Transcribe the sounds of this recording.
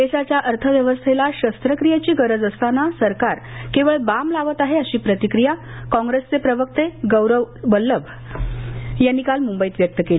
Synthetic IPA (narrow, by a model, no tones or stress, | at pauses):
d̪eɕat͡ɕjaʔəɾt̪ʰəʋjəʋəst̪ʰelaɕəst̪ɾəkɾijat͡ɕiːɡəɾəd͡zəst̪anasəɾkaɾkeʋəɭbamlaʋət̪aɦeəɕiːpɾət̪ikɾijakɔ̃ŋɡɾest͡sepɾəʋək̚t̪eɡəwɾəʋbəlːəʋ | janːikalmumbəiːt̪ʋjək̚t̪əkeli